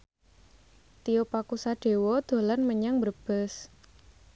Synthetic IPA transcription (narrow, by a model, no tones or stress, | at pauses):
t̪iopakusaɖ̥e̤wɔd̪̥o̤lanməɲaŋbərb̥əs